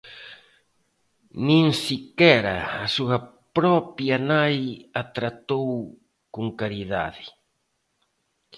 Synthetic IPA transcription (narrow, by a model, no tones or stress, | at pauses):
nĩŋsikɛɾɐ̰ːsuɐ | pɾɔpjɐnajat̪ɾat̪ow | kuŋkaɾiða̰ðɪ